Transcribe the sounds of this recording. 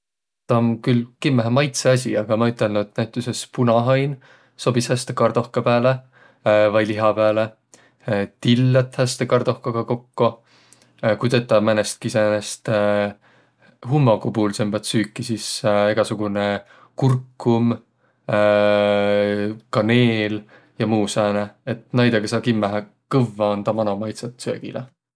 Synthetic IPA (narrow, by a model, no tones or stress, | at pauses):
t̪ɑmkylkimːæɦmɑjt̪seɑs̬ʲiɑɡ̥ɑmɑyt̪ːˑelnuet̪ːnæjt̪ːˑuse̞spunɑɦɑjn | so̞bishæst̪ekɑrd̪̥o̞hkɑpæːle | vɑjliɦɑpæːle | t̪ilːɑt̪hæst̪ekɑrd̪̥o̞hkɑɡ̥ɑko̞kːo | kut̪et̪ːˑɑmænest̪̚kisenest̪ | ɦumːokupuːlsembɑt̪syːkːˑisise̞ɡ̥ɑsuɡ̥une | kurkːum | kɑneːl | jɑmuːsæːneet̪ˑnɑjd̪̥eɡ̥ɑsɑkimːæɦæ | kɤvːɑont̪ɑmɑnomɑjt̪sɑt̪sø̰ːɡ̥ḭlḛ